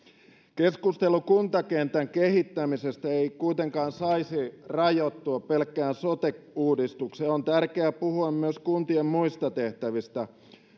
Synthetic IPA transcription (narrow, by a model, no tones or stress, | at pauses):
keskust̪elukunt̪ɑkent̪æŋkehit̪ːæmisest̪æeikuit̪eŋkɑːnsɑisirɑjot̪ːuɑpelkˑːæːnsot̪ekuːdist̪ukseont̪ærkeæpuhuɑmmyøskunt̪iemmuist̪ɑt̪eht̪æʋist̪æ